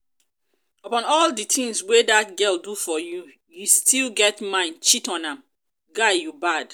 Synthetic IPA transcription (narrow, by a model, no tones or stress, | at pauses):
əpɔ̃nɔlditʰĩŋswedat̚ɡɛldufɔju | justʰilɡɛtmãɪ̃nt͡ʃitɔ̃nãm | ɡajubad̥